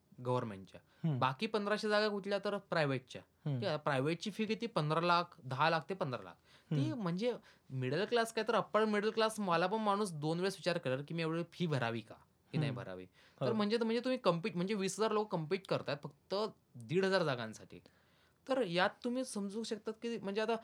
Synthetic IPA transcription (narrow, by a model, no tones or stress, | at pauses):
ɡəʋəɾmḛ̃ɳʈt͡ɕja̰ | bakiːpənd̪ɾaɕed͡zaɡakuʈljat̪əɾpɾajʋeʈ̚t͡ɕja̰ | iapɾajʋeʈ̚t͡ɕiːfiːkit̪iːpənd̪ɾalakʰd̪əɦalaɡ̚t̪epənd̪ɾa̰la̰k̚ʰ | t̪im̤əɳd͡ze | miɽəlklaskait̪əɾəpəɭmiɽəlklasməlap̬əɳmaɽ̃uːs̬d̪onʋeɭsʋit͡ɕaɾkeɭaɾkiːmieʋɭeɭfʰiːbʱəɾa̰ʋiːka̰ | kiːnaɦibʱə̰ɾa̰ʋḭː | t̪əɾm̤əɳd͡zet̪əm̤əɳd͡zet̪um̤iːkəmpiːʈm̤əɳd͡zeʋiːsɦəd͡zaɾlokkːəmpiʈkəɾt̪at̪fək̚t̪ə | d̪iːɽɦəd͡zaɾd͡zaɡãnsaʈʰḭː | t̪əɾjat̪ːum̤iːsəmd͡zũŋɕəkt̪at̪kiːm̤əɳd͡zeat̪a